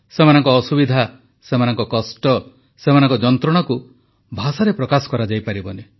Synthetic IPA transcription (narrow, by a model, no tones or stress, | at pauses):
semanɔŋkɔːsubid̪ʱa | semanɔŋkɔkɔsʈɔ | semanɔŋkɔd͡ʒɔnt̪ɾɔɽ̃aku | bʱasaɾepɾɔkasɔ̥kɔɾad͡ʒajpaɾibɔne